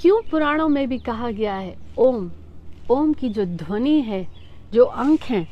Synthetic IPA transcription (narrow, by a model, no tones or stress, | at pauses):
kjũːpʊɾaːɽ̃õmẽbʱikɐɦaɡɐjaɦɛoːm | oːmkid͡ʒoːd̪ʱwəniɦɛː | d͡ʒoːʔɐ̃ŋkʰɦɛ̃ː